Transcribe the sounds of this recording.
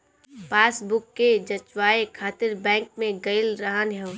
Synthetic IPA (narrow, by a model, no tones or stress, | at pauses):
paːsbʊkːed͡ʒɐt͡ʃwaːekʰaːt̪ɪɾbɛ̃ːŋk̚mẽɡɐɪlɾaɦanɦɛ